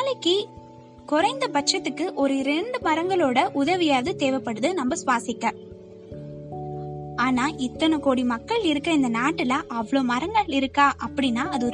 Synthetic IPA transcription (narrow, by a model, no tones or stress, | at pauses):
alɯkːi | kɔɾɐɪnd̪ɐpɐʈ̚t͡ʃːɐt̪ːɯkːɯʔɔɾɯɾɛɳɖɯmɐɾɐŋɡɐɭoːɽɐʔʊðɐʋɪjaːðɯt̪eːʋɐpːɐɽɯðɯnɐmbɐsʋaːsɪkːɐ̃ | aːnaːʔɪt̪ːɐnɐkoːɽimɐkːɐɭɪɾɯkːɐ̃ɪnd̪ɐnaːʈːɪlɐʔɐʋɐɭoːmɐɾɐŋɡɐɭɪɾɯkːãːʔɐpːɐɽinːaːɐðɯɔɾ